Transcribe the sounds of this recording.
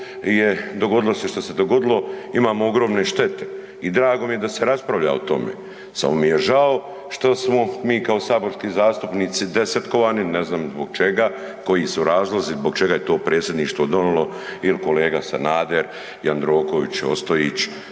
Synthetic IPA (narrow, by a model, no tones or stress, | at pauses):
jed̪o̞ɡo̞d̪iloseʃt̪ose̞d̪oɡo̞d̪ilˠo̞imaːmooɡɾo̞ːmne̞ʃt̪e̞t̪e̞̥ | id̪ɾaːɡo̞mije̞d̪aseɾaspɾaʋʎa̰ot̪o̞̰mḛː | sa̰momijeʒao | ʃt̪osmomiːkaosaːbo̞ɾskiːzaːst̪upnit̪sid̪e̞set̪ko̞ʋaːnineznaːmzboɡt͡ʃe̞ɡa | ko̞jisuɾaːzlazizbo̞ɡt͡ʃe̞ɡajet̪o̞ːpɾeːt̪sʲje̞d̪niːʃt̪ʋod̪o̞nilo̞ | ilko̞leːɡasa̰naːd̪eɾ | jand̪ɾo̞ːkoʋit͡ɕo̞̰st̪oiːt͡ɕ